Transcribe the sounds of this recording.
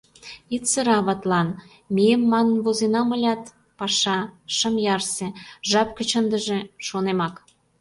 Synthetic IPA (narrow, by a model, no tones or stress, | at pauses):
it̪t͡səɾɑβɑt̪lɑn | miemːɑnnβozenɑməlʲɑt̪ | pɑʃɑʃə̆mjɑrseʒɑp̚kə̆t͡ɕənd̪ə̆ʒĕʃonemɑk